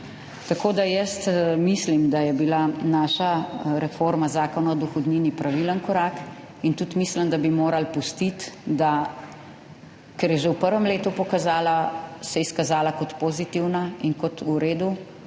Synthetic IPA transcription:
t̪akoːd̪ajəst̪mislimd̪ajɛbilanaːʃaɾɛfoɾmazaːkɔnaɔd̪ɔxɔd̪ninipɾaʋilənkɔɾak | int̪ut̪misləmd̪abimoːɾalpust̪it̪d̪a | kɛɾjɛʒewpəɾʋɛmleːt̪upɔkazaːlasɛiskazaːlakɔt̪pozit̪iwnainkɔt̪uɾeːd̪u

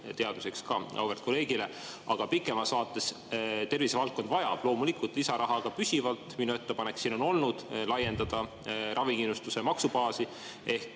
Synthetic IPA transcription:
t̪e̞ɑd̪̥use̞kskɑ̰ʔɑ̰wvert̪ko̞le̞ːɡ̥ile̞ | ɑɡ̥ɑpikːˑe̞mɑsɑːt̪ˑːe̞s | t̪e̞rvisevɑlt̪̚ko̞nd̪vɑjɑ̰b̥lo̞ːmulikult̪lisɑɾʔɑɦɑɡ̥ɑpysʲivɑlt̪ˑminue̞t̪ːe̞pɑne̞ksiːno̞no̞lnud̪̥lɑje̞nd̪ɑd̪̥ɑ | rʔɑviŋkinːust̪usemɑksubɑːsi | e̞hk

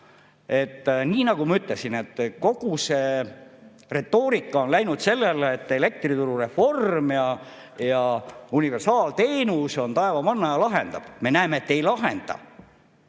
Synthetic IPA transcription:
e̞t̪ːniːnɑɡ̥umɑyt̪lesine̞t̪ːko̞ɡ̥use | re̞t̪ːo̞ːɾikːˑɑo̞nlæjnud̪se̞lːeleːt̪ːˑe̞le̞k̚t̪rit̪uɾure̞fo̞rmjɑ | jɑunive̞rsɑːlt̪e̞ːnuso̞nt̪ɑe̞vɑmɑnːɑjɑlɑɦe̞nd̪̥ɑb̥me̞næemeːt̪ːe̞jlɑɦe̞̰nd̪̥ɑ̰

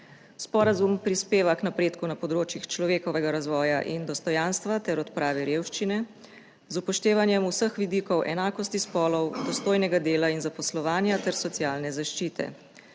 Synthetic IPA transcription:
spɔɾazumpɾispeːʋaknapɾeːt̪kunapɔd̪ɾoːt͡ʃjixt͡ʃlɔʋeːkɔʋɛɡaɾazʋɔːjaʔind̪ɔst̪ɔjaːnst̪ʋat̪ɛɾɔt̪pɾaːʋiɾjeːwʃt͡ʃinɛ | zupɔʃt̪eːʋanjɛmusəxʋid̪ikɔwʔɛnaːkɔst̪ispɔːlɔwd̪ɔst̪oːjnɛɡad̪eːlainzapɔslɔʋaːnjat̪ɛɾsɔt̪sjaːlnɛzaʃt͡ʃiːt̪ʰɛ̰

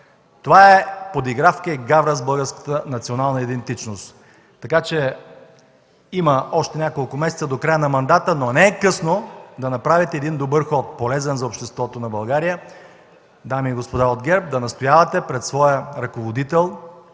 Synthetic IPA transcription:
t̪ovaɛpod̪iɡɾafkəiɡavɾəzbɤlˠɡəɾskə̥t̪ənɐt̪sionalˠnəid̪ɛnt̪it͡ʃnost̪ː | ɐkat͡ʃɛ | iməɔʃt̪ɛnʲakolˠkʊmɛsɛ̥t̪səd̪okɾajənɐmɐnd̪at̪ənonɛːkɤsnod̪ɐnɐpɾavit̪ɛːd̪ind̪obɤɾxɔt̪̚polɛzɛnzɐopʃt̪ɛst̪vɔt̪onɐbɐlˠɡaɾijə | d̪amiːɡospod̪aod̪ɡʲɛɾp̚d̪ɐnɐst̪ojavɐt̪ɛpɾɛt̪svɔjəɾɐkovod̪it̪ɛlˠ

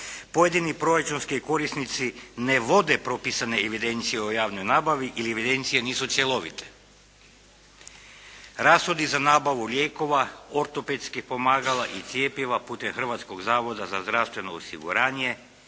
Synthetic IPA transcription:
pojed̪inipɾo̞ɾat͡ʃunskiko̞ɾisnit̪sineʋo̞d̪epɾo̞pisaneeʋid̪e̞nt̪sijeojaːʋnojnaːbaʋiʔilieʋid̪e̞nt̪sije̞niːsut̪sjelˠo̞ʋḭt̪ʰe̥ | ɾaːsxod̪izanaːbaʋulʲjeːko̞ʋaoɾt̪o̞pet̪skipo̞maːɡalaʔit̪sʲjeːpjiʋapuːt̪e̞mxr̩ʋat̪sko̞ɡzaːʋo̞d̪azazd̪ɾafst̪ʋe̞noːsḭɡṵɾaːɲe̞

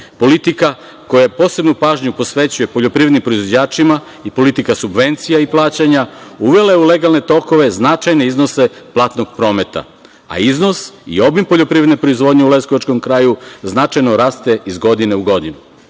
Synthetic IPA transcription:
po̞lit̪ika | ko̞japo̞ːse̞bnupaːʒɲupo̞sʋe̞t͡ɕuje̞po̞ʎo̞pɾiɾed̪nimpɾo̞izʋod͡ʑaːt͡ʃima | ipo̞lit̪ikasubʋe̞nt̪sijaiplˠaːt͡ɕaɲauʋe̞lajeule̞ɡalˠne̞t̪o̞ko̞ʋe̞znat͡ʃajneizno̞se̞plˠaːt̪no̞ɡ̥̚pɾo̞ːme̞t̪a̰ | a̰izno̞sḭo̞bimpo̞ʎo̞pɾiʋɾed̪nepɾo̞izʋo̞ːd̪ɲeule̞skoʋat͡ʃko̞mkɾaːjuznat͡ʃajno̞ɾaːst̪e̞izɡo̞d̪ine̞uɡo̞d̪inu

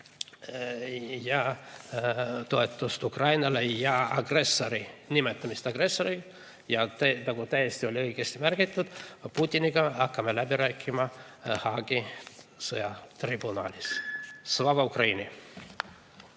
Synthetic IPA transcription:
jɑ | t̪o̞e̞t̪ːˑust̪ukrɑjnɑlejɑɑ̰ɡ̥re̞sːoɾinʲimet̪ːˑɑmist̪ɑɡ̥re̞sːoɾi | jɑt̪ænɑɡ̥ut̪æjest̪io̞lʲiɤiɡ̥e̞st̪imærɡ̥it̪ːˑud̪̥put̪ʲːiniɡ̥ɑɑkːɑmelæbiɾæːkːˑimɑ | hɑɡ̥isɤjɑt̪ribunɑ̰ːlʲissvɑvɑukrɑjni

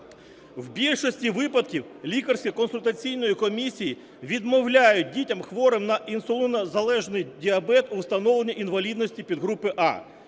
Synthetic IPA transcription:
wbʲilʲʃɔsʲtʲiʋɪpɐd̪kʲiw | lʲikɐrsʲkʲikɔnsʊlʲt̪ɐt͡sʲijn̪ɔjikɔmʲisʲiji | ʋʲid̪mɔwlʲajʊt̚ʲdʲitʲɐmxʋɔɾɪmnɐʔinsɔlʲˠɪnɐzɐlˠɛʒnɪjdʲiɐbɛt̪uwst̪ɐnɔʋlˠenʲːɐʔinʋɐlʲid̪nɔsʲtʲipʲid̪ɦɾupɪʔɑ̰

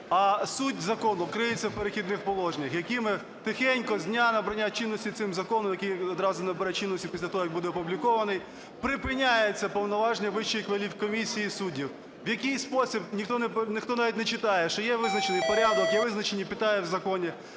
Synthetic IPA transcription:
ɐsutʲzɐkɔnʊkɾɪjɪt͡sʲːɐwpeɾexʲid̪nɪxpɔlˠɔʒnʲɐxjɐkɪmɪ | t̪ɪxɛnʲkɔzʲnʲanɐbɾɐnʲːat͡ʃinːɔsʲtʲit̪sɪmzɐkɔnɔmjɐkijɔd̪ɾɑzʊnɐbɐɾɛt͡ʃinːɔsʲtʲu̥pʲisʲlʲɐt̪ɔɦɔjɐɡ̚bud̪ɛɐpublʲikɔʋɐnɪj | pɾɪpɪnʲajet͡sʲːɐpɔwnɔʋɑʒnʲɛʋɪʃt͡ʃːijxʋelʲiwkɔmʲisʲijisudʲiw | ʋjɐkɪjspɔsʲibnʲixt̪ɔnɛpnɪxt̪ɔnɑʋʲitʲnɛt͡ʃɪt̪ɑjɛʃt͡ʃɔjɛʋɪznɐt͡ʃnɪjpɔɾʲad̪ɔkjɛʋɪznɐt͡ʃenʲipʲɪt̪ɑjɛwzɐkɔnʲɛ

